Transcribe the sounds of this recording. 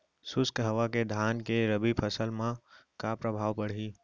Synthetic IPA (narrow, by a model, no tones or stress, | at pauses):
sʊskɦəʋaked̪ʱaːnkeɾəbipʰəsəlmãkapɾəbʱaːʋpəɽ̤iː